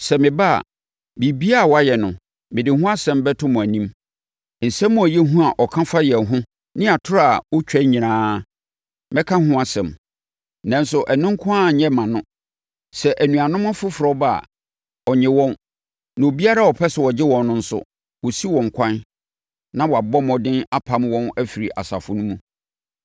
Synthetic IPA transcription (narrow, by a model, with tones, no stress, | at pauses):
sɛ˨mɪ̃˨ba˦a̰˨ | bi˨bi˦a˦˨wɔ˨˦a˦jɛ˨nʊ̃˨ | mɪ̃˨dɪ˨hʊ̃˦a˦sɛ̃˨mbɛ˦tʰʊ̃˦mʊ̃˨æ˨nĩ˦m | n̩˨sɛ̃˦mːʊ̃˦˨æ˨jɛ˦ɦũ˦a˨ʔɔ˨kʰã˦fa˦jɛ˨ɦʊ̃˦ | nɪ̃˦a˨tʰʊ˦ɾa˨wɔ˦t͡ɕᶣɛ˦ɲĩ˨nãː˦ | mɪ̃˦kʰã˦hʊ̃˦a˦sɛ̰̃˨m | nã˦n˦sʊ˨ʔæ˨nɪ̃˦ŋ˦kʰʊ̃˦a˦˨ɲɛ̃˦mã˨nʊ̃˦ | sɛ˨ʔæ˨nũ˨a˨nʊ̃˦mã˦fʊ˦fɾɔ˦ba˦˨a̰˨ | ɔ˨ɲɪ̃˨wɔ̃˦n | nã˨o˨bi˦a˦ɾa˦˨wɔ˨pʰɛ˦sɛ˨wɔ˨d͡ʑɪ˦wɔ̃˨nnʊ̃˦n̩˦sʊ̰˦ | wɔ˨si˦wɔ̃˨ŋ̩˨kʷʰã˦n | nã˦wɔ˨a˨bɔ˦mɔ̃˨dɪ̃˦na˦pʰa˨˦mwɔ̃˦næ˦fi˨ɾi˨ʔa̰˨sa̰˨fʊ˨nʊ̃˦mũ˦